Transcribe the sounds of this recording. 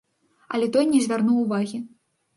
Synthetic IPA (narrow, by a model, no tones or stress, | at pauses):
ɐ̰lʲɛt̪ɔjnʲɛzʲvʲarnuwuvaɣʲi